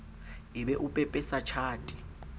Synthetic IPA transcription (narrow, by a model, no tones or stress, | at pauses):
iɓɛʔupʼɛpʼɛsat͡ʃʰaːtʼi